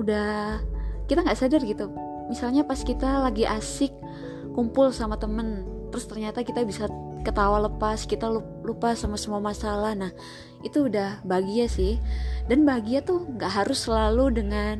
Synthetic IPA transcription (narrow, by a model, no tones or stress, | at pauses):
uda | kit̪aŋɡaʔsadarɡit̪u | misalɲapaskit̪alaɡiʔasɪkː | umpʊlsamat̪əmənt̪əɾʊst̪ərɲat̪akit̪abisakət̪awaləpaskit̪au | lupasamasəmuamasalahnah | it̪uːdahbaɡiasɪhdanbaɡiat̪uŋɡaʔɦaɾʊsːəlaludəŋan